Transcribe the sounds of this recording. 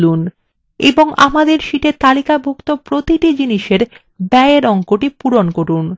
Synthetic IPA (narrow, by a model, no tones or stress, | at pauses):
lun | ḛboŋa̰mad̪eɾʃiʈet̪alikabʱokt̪opɾot̪iʈid͡ʑiniʃeɾ | bɛeɾɔŋkoʈipuɾonkoɾun